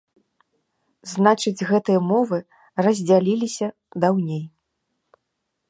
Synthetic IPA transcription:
znat͡ʂɨd͡zʲɣɛt̪ɨjɐmɔvɨ | rɐzʲd͡zʲalʲilʲisʲɐ | d̪awnʲej

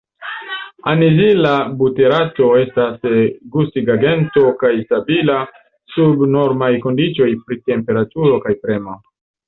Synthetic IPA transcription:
anizilabute̞ɾato̞e̞stasɡustiɡaɡe̞nto̞kajstabila | subno̞ɾmajko̞ndit͡ʃo̞jpɾite̞mpe̞ɾatuɾo̞kajpɾe̞ma

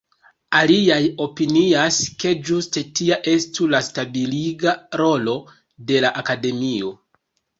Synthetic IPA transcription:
aliajo̞piniaske̞d͡ʒuste̞tiaʔe̞stulastabiliɡaɾo̞lo̞ | de̞laʔakade̞mio̞

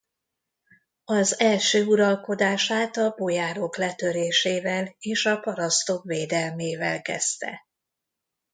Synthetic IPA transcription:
ɒzɛlʃøːuɾɒlko̞d̪aːʃaːt̪ɒbo̞jaːɾo̞klɛt̪øɾeːʃeːvɛleːʃɒpɒɾɒst̪o̞kveːd̪ɛlmeːvɛ̰lkɛ̰st̪ɛ̰

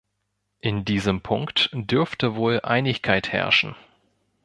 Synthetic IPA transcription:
ʔɪndiːzəmpʰʊŋktd̥ʏɐftəvoːlʔa̰ɪnɪçkʰaɪthɛ̰ɐʃn̩

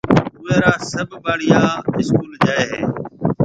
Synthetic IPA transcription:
ʊʋẽːɾaːsəbʱbaːɽɪjãːɪskuːld͡ʒaːeːɦeː

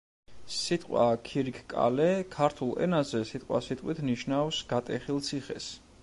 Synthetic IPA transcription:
sit̪ʼqʼwakʰiɾikʰkʼa̰lɛkʰaɾt̪ʰulˠɛ̰nazɛsit̪ʼqʼwa̰sit̪ʼqʼwit̪ʰniʃnavsɡ̥at̪ʼɛχilˠt̪sʰiχɛs

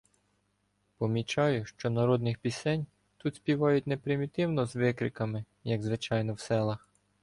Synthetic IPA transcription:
pɔmʲit͡ʃɑjʊʃt͡ʃɔnɐɾɔd̪nɪxpʲisɛnʲ | t̪ut̪sʲpʲiʋɑjʊtʲnepɾɪmʲit̪ɪwnɔzʋɪkɾɪkɐmɪ | jɐɡzʋɪt͡ʃɑjnɔwsɛlˠɐx

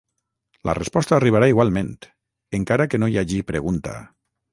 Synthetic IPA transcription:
lʔa̰respɔst̪aːriβ̞aɾaiɣwalˠmẽnt̪ | eŋkaɾakenojaʒipɾeɣunt̪a̰

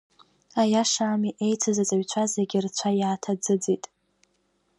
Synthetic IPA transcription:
ajaʂaːmiʔe̞jt͡sʰɨzat͡sʼaɥt͡ɕʷʰazeɡʲɪrt͡ɕʷʰajaːtʰad͡zɨd͡zitʼ

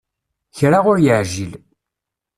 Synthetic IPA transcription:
çɾaʁʊɾjəʕʒil

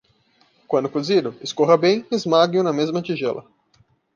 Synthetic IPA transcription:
kwɐ̃nd̪ʊkozid̪ʊɪskoɦɐbẽj̃ezmaɡʊnɐmezmɐt͡ʃiʒɛlʔɐ̰

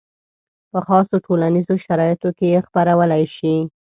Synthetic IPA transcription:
pəxɑsoʈolanizoʃaɾɑjɪt̪okejexpaɾawəlajʃi

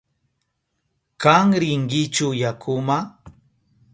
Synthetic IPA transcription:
kaŋɾɪŋɡɪt͡ʃʊjakʰʊma

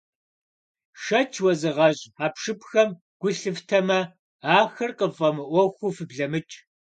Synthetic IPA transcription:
ʂɐt͡ʃʰwɐzɨʁɐɕʼaːpʂɨpxɐm | ɡ̥ʷʊɬɨftʰɐmɐ | aːxɨrqəfʼɐmɨʔʷɔxʷufɨbɮɐmɨt͡ʃʼ

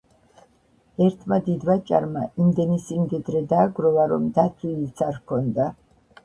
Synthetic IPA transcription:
ɛɾt̪ʰmad̪id̪vat͡ʃʼa̰ɾmaimd̪ɛnisimd̪ɛd̪ɾɛd̪aːɡɾɔvaɾɔmd̪at̪ʰwit̪sʰaɾkʰɔnd̪a

